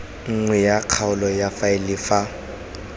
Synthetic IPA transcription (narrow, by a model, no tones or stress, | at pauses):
ŋ̩ŋwɛjaq͡χʰaʊlɔjafaɪlɪfa